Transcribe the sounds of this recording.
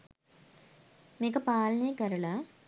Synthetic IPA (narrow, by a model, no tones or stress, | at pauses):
mikɐpaːlneːkɐɾɐɭa